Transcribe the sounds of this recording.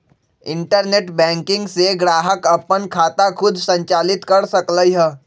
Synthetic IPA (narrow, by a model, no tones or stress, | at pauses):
ɪ̃ɳʈəɾneːʈbɛ̃ːŋkɪ̃ŋɡseɡɾaːɦəkəpənkʰaːt̪akʰʊd̪ʱsə̃ɲt͡ʃaːlɪt̪kɐɾsəkləiɦɛː